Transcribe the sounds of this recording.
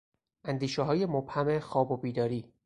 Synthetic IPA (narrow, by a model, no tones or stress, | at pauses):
ʔænd̪iːʃɛɦɒːje̞mob̥hæmexɒːbobiːd̪ɒːɾiː